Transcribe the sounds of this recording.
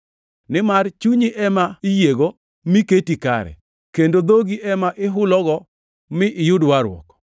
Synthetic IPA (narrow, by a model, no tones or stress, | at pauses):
nɪmart͡ʃuɲiʔɛmaɪjeɡo | miketika̰ɾɛ̰ | kendod̪oɡiʔɛmaʔɪɦʊlɔɡɔ | mɪʔɪjʊdwaɾwɔ̰kɔ̥